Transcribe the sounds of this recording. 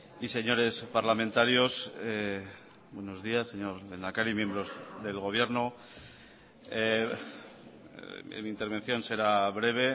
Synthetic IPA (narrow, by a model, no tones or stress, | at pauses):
ise̞ɲo̞ɾe̞spaɾlamẽnt̪aɾjo̞se | bwe̞no̞zðiasːe̞ɲo̞ɾle̞nakaɾimje̞mbɾo̞zðe̞lɣo̞β̞je̞ɾno | e | mint̪e̞ɾβe̞nθjo̞nse̞ɾaβɾe̞β̞e̞